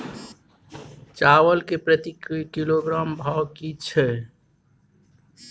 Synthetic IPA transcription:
t͡ʃawəlkepɾət̪ikikiloɡɾambʱakit͡ʃʰɛ

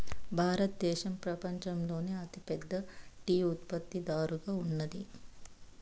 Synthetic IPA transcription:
bʱaːɾɐt̪d̪ɛːʃɐmpɾɐpɐɲt͡ʃɐmlo̞ːneːɐt̪ipɛd̪ːɐʈiːut̪pɐt̪ːid̪aːɾuɡaːunːɐd̪i

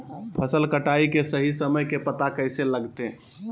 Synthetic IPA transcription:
pʰəsəlkəʈaikesəɦisəməjkepət̪akəɪseləɡt̪ẽ

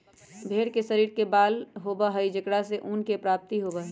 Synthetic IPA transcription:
bʱeːɽkesəɾiːɾkebaːlɦobaɦəid͡ʒəkɽaseʔuːnkepɾaːp̚t̪iɦoːbaɦ

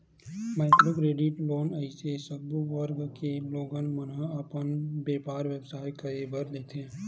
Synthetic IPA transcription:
mɛːt̪ɾokɾeːɖɪʈloːnəɪsesəbʋəɾɡkeloːɡənmənəəpənbeːpaːɾʋebsaːjkɐebəɾleːt̪ɛ̃ː

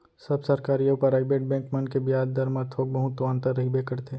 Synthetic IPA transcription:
sɐbsɐɾkaːɾijəpɐɾaːɪbeːʈ̚bɛ̃ːŋkmɐnkebijaːd̪d̪ɐɾmaɾt̪ʰoːɡ̚bɐɦʊ̃t̪ːoãːnt̪əɾːɐɦibeːkəɾt̪ʰeː

